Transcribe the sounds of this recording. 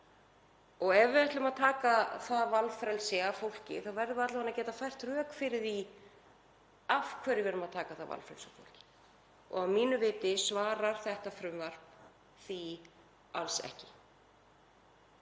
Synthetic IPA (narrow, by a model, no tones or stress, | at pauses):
ɔɣɛvɪaht̪ʏmaðt̪ʰaːkaθaðvalfɾɛlsɪafowl̥cɪ̰θaðvajɾðʏat̪lɪhanacɛːt̪afajr̥t̪rœːkfɪɾɪɾi | afkʰvɛːɾɪvɛɾʏmaðt̪ʰaːkaðθava̰lfɾɛlsafo̰wl̥cɪ̥ | ɔ̰ɣavmiːnʏvɪːt̪ɪsvaːɾaɾ̥θɛht̪afɾʏmvar̥p | θi | a̰lsɛ̰hcɪ̥